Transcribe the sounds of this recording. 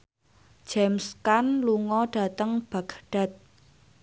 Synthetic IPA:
d͡ʒ̥ɛmskanluŋɔɖ̥a̤t̪əŋb̥a̤ɡ̥ɖ̥a̤t̪̚

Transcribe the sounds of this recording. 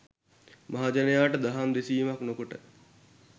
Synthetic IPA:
maɦad͡ʒɐnejaːʈəd̪aɦamd̪esiːmaknokoʈə̰

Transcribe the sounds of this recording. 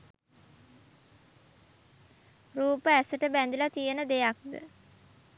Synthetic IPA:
ruːpəæsəʈəbænd̪ilat̪ijənəd̪ejak̚d̪ə̰

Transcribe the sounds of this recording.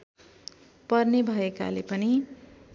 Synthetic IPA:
pʌrnebʱʌeka̰lepʌni

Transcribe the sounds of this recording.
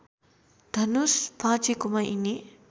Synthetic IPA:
d̪̥ʱɐnuspʰãːt͡ʃikumɐʔini

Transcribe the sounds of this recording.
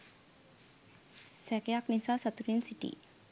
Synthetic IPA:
sɛkeaknisasət̪uɾinsiʈḭ

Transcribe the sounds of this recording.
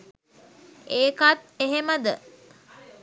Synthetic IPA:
eːkat̪̚eɦeməd̪ə

